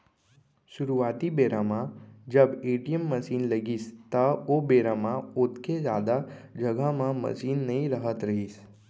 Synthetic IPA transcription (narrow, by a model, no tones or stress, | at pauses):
ʃʊɾuʋaːt̪ibeːɾamãd͡ʒəbeːʈijəmːəsiːnləɡiːst̪əobeːɾamãot̪kezaːd̪ad͡ʒəɡamãmə̰siːnːəĩɾəɦət̪ɾəɦiːs